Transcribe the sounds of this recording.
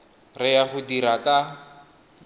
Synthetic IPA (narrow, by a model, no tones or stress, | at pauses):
rɪjaχʊdiɾakʼa